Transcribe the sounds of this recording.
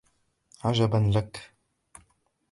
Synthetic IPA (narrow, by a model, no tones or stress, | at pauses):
ʕad͡ʒabanlak